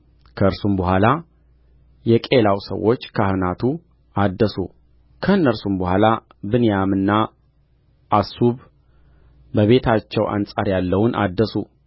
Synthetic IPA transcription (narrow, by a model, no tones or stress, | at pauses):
kʰəɨɾsumbəɦʷala | jɛkʼe̞lawsə̰wːo̞t͡ʃːkʰahɨnat̪ʰu | ad̪ːəsṵ | kʰəɨnːəɾsumbəhʷala | bɨnejamɨnːa | ʔːsuβ | bəβe̞t̪ʰat͡ʃːɛwʔa̰nsʼa̰ɾjalːəwʊnʔa̰d̪ːəsu